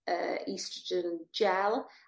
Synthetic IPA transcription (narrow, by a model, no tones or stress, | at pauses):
ə̰istəd͡ʒənd͡ʒɛlˠ